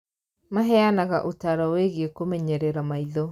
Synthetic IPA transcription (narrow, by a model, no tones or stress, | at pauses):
maɦɛanaɣaʔotaɾɔweɣeekomɛɲɛɾɛɾamaiðɔ